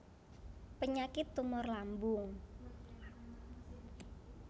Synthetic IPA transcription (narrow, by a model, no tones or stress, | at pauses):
pəɲakɪt̪ːumʊrlambʊŋ